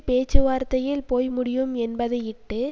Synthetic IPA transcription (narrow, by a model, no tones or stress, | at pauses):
peːt͡ʃːɯʋaːɾt̪ɐjɪlpoːjmʊɽɪjɯmɛnbɐðɐjɪʈːɯ